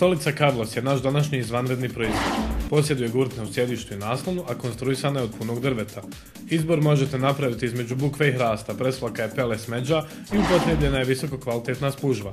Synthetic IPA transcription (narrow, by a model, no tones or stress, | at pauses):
st̪o̞lit̪sakablˠo̞sje̞naʃd̪anaʃɲiizʋanɾe̞d̪niːpɾo̞izʋo̞d̪po̞s̬je̞d̪uje̞ɡuɾt̪nausje̞d̪iːʃt̪uinaːslˠonuʔako̞nst̪ɾuisaːnajeod̪̚puno̞ɡd̪r̩ʋe̞t̪ʰa | izbo̞ɾmo̞ʒe̞t̪e̞napɾaʋit̪iizme̞d͡ʑubukʋeiɦɾaːst̪apɾe̞slˠakajepe̞lesme̞d͡ʑa | iupo̞t̪ɾebʎe̞naje̞ʋiso̞kokʋalit̪e̞t̪naspuʒba